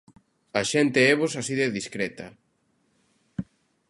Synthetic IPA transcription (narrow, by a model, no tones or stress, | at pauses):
aʃent̪eeβosasiðeðiskɾet̪ɐ